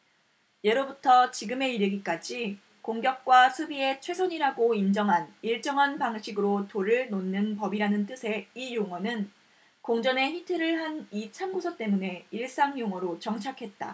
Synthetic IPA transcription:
je̞ɾobutʰʌt͡ɕiɡɯme̞iɾɯɡik͈ad͡ʑi | koŋɡjʌk̚k͈wasʰubie̞t͡ɕʰwe̞sʰoɲiɾaɡoind͡ʑʌŋɦaniɭt͡ɕ͈ʌŋɦanpaŋɕʰiɡɯɾotoɾɯɭnonːɯnpʌbiɾanɯnt͈ɯsʰe̞ijoŋwʌnɯn | koŋd͡ʑʌne̞ɸitʰɯɾɯɭɦanit͡ɕʰamɡusʰʌt͈e̞mune̞iɭs͈aŋjoŋwʌɾot͡ɕʌŋt͡ɕʰakʰe̞t̚t͈a̰

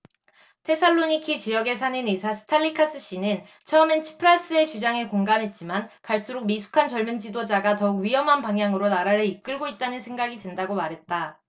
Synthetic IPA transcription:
tʰe̞sʰaɭːoɲikʰit͡ɕijʌɡe̞sʰaninisʰasʰɯ̥tʰaʎːikʰas͈ɯɕ͈inɯn | t͡ɕʰʌment͡ɕʰi̥pʰɯɾas͈ɯe̞t͡ɕud͡ʑaŋe̞koŋɡamɦe̞t̚t͡ɕ͈imankaɭs͈uɾuk̚misʰu̥kʰant͡ɕʌɭmɯnd͡ʑidod͡ʑaɡatʌuk̚ɥiɦʌmɦanpaŋjaŋɯɾonaɾaɾɯɭik̚k͈ɯɭɡoit̚t͈anɯnsʰe̞ŋɡaɡidwendaɡomaɾɦe̞t̚t͈a

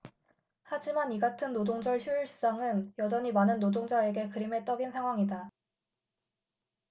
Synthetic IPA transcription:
had͡ʑimaniɡatʰɯnːodoŋd͡ʑʌɭɕʰuiɭɕʰi̥s͈aŋɯnjʌd͡ʑʌɲimanɯnːodoŋd͡ʑae̞ɡe̞kɯɾime̞t͈ʌɡinsʰaŋɦwaŋida

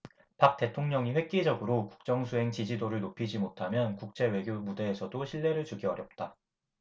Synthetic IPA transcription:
pak̚t͈e̞tʰoŋɲʌŋiɸwe̞k̚k͈id͡ʑʌɡɯɾoku̥k̚t͡ɕ͈ʌŋsʰuɦe̞ŋt͡ɕid͡ʑidoɾɯɭnopʰid͡ʑimotʰamjʌnkuk̚t͡ɕ͈e̞we̞ɡjomude̞ːsʰʌdoɕʰiɭːe̞ɾɯɭt͡ɕuɡiɦʌɾjʌp̚t͈a

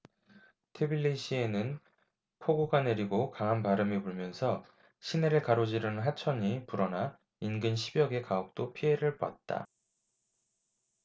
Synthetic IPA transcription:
tʰebilːiɕʰie̞nɯn | pʰoɡoɡane̞ɾiɡokaŋɦanpaɾɯmepoɭmjʌnsʰʌ | ɕʰine̞ɾɯɭkaɾod͡ʑiɾɯnɦat͡ɕʰʌɲipuɾʌna | inɡɯnɕʰibjʌɡe̞kaok̚t͈opʰiɦe̞ɾɯɭpwa̰t̚t͈a̰

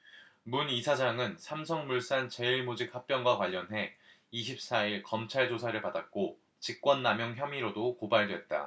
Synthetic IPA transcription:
munisʰad͡ʑaŋɯnsʰamsʰʌŋmuɭs͈ant͡ɕe̞iɭmod͡ʑik̚hap̚p͈jʌŋɡwakwaʎːʌnɦe̞ | iɕ̬ʰip̚s͈aiɭkʌmt͡ɕʰaɭd͡ʑosʰaɾɯɭpadak̚k͈o | t͡ɕik̚k͈wʌnːamjʌŋçjʌmiɾodokobaɭdwe̞t̚t͈a̰

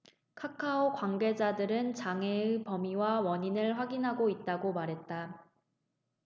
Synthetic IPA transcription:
kʰakʰaokwaŋɡe̞d͡ʑadɯɾɯnt͡ɕaŋeɯpʌmiwawʌɲinɯɭɸwaɡinɦaɡoit̚t͈aɡomaɾɦe̞t̚t͈a

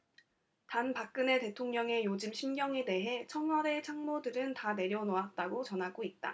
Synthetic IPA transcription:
tanpak̚k͈ɯne̞te̞tʰoŋɲʌŋe̞jod͡ʑimɕʰimɡjʌŋe̞de̞ɦe̞t͡ɕʰʌŋwʌɾe̞t͡ɕʰaŋmodɯɾɯntane̞ɾjʌnoat̚t͈aɡot͡ɕʌnɦaɡoit̚t͈a̰

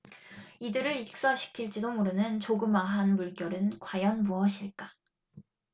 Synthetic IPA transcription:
idɯɾɯɾik̚s͈ʌɕʰi̥kʰiɭt͡ɕ͈idomuɾɯnɯnt͡ɕoɡɯmaɦanmuɭk͈jʌɾɯnkwajʌnmuʌɕʰiɭk͈a

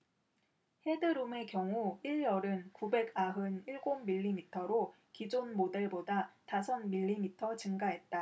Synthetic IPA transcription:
he̞dɯɾume̞kjʌŋuiɭjʌɾɯnkube̞ɡaɦɯniɭɡomːiʎːimitʰʌɾo | kid͡ʑonmode̞ɭbodatasʰʌnmiʎːimitʰʌt͡ɕɯŋɡaɦe̞t̚t͈a

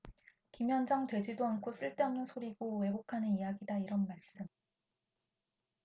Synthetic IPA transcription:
kimjʌnd͡ʑʌŋtwe̞d͡ʑidoankʰos͈ɯɭt͈e̞ʌmnɯnsʰoɾiɡowe̞ɡokʰanɯnijaɡidaiɾʌnmaɭs͈ɯm

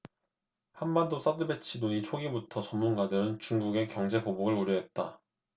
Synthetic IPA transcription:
hanbandos͈adɯbe̞t͡ɕʰidoɲit͡ɕʰoɡibutʰʌt͡ɕʌmːunɡadɯɾɯnt͡ɕuŋɡuɡe̞kjʌŋd͡ʑe̞poboɡɯɭoɾjʌɦet̚t͈a

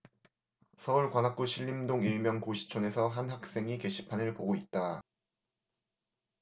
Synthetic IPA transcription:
sʰʌuɭkwanak͈̚uɕʰiʎːimdoŋiɭmjʌŋkoɕʰi̥t͡ɕʰone̞sʰʌɦanɦak̚s͈e̞ŋike̞ɕʰi̥pʰanɯɭpoɡoit̚t͈a

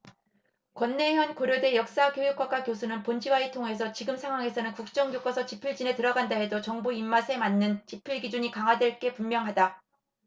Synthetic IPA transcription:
kwʌnːe̞jʌnkoɾjode̞jʌk̚s͈akjojuk͈̚ʰak͈akjos̬ʰunɯnpond͡ʑiwaitʰoŋɦe̞sʰʌt͡ɕiɡɯmsʰaŋwaŋe̞sʰʌnɯnkuk̚t͡ɕ͈ʌŋɡjok͈asʰʌt͡ɕipʰɯɭd͡ʑine̞tɯɾʌɡandaɦe̞dot͡ɕʌŋbuimːasʰe̞manːɯnt͡ɕipʰɯɭɡid͡ʑuɲikaŋɦwadwe̞ɭk͈e̞pummːjʌŋɦada

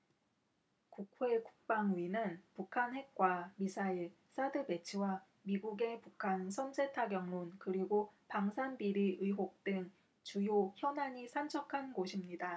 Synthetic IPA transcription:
kuk̚ʰwe̞ku̥k̚p͈aŋuinɯnpukʰanɦwe̞k̚k͈wamisʰaiɭ | s͈adɯbe̞t͡ɕʰiwa | miɡuɡe̞pukʰansʰʌnsʰe̞tʰaɡjʌŋmunkɯɾiɡopaŋsʰanbiɾiʔɯiɦok̚t͈ɯŋ | t͡ɕujoçjʌnaɲisʰant͡ɕʰʌkʰanɡoɕʰimɲida

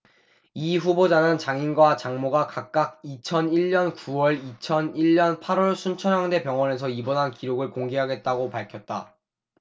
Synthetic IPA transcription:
iɸubod͡ʑanɯnt͡ɕaŋinɡwat͡ɕaŋmoɡakak̚k͈ak̚it͡ɕʰʌniɭɲʌnkuwʌɭit͡ɕʰʌniɭːʌnpʰaɾʌɭsʰunt͡ɕʰʌɾaŋde̞pjʌŋwʌne̞sʰʌibonɦankiɾoɡɯɭkoŋɡeɦaɡe̞t̚t͈aɡopaɭkʰjʌt̚t͈a̰

